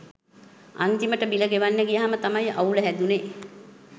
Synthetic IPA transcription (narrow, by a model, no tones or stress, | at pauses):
a̰nt̪iməʈəbiləɡeʋanːəɡijaɦamət̪amajauləɦæd̪une